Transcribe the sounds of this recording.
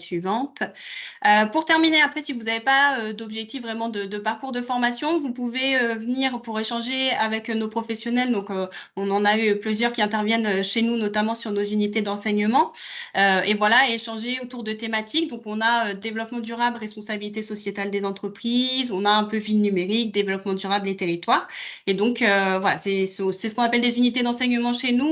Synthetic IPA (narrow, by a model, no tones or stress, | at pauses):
sɥivɑ̃t̪øpuʁt̪ɛʁmineapχɛsivuzavepaød̪ɔbʒɛk̚t̪ifvːʁɛmɑ̃d̪əd̪əpaʁkuʁd̪əfɔʁmasjɔ̃vupuveøvəniʁpuʁeʃɑ̃ʒeavɛknopχɔfɛsjɔnɛld̪ɔ̃køɔ̃nɑ̃nayplyzjœʁkʲiɛ̃t̪ɛʁvjɛnøʃenunɔt̪amɑ̃syʁnozynit̪ed̪ɑ̃sɛɲəmɑ̃øevwalaeʃɑ̃ʒeot̪uʁd̪ət̪emat̪ikd̪ɔ̃kɔ̃naød̪evlɔpmɑ̃d̪yʁablʁɛspɔ̃sabilit̪̬esɔsjet̪ald̪ezɑ̃t̪χəpχizɔ̃naɛ̃pøvilnymeʁik̚d̪evlɔpmɑ̃d̪yʁablet̪eʁit̪waʁed̪ɔ̃køvwala̰sɛssɛsə̥kɔ̃napɛld̪ezynit̪ed̪ɑ̃sɛɲəmɑ̃ʃenu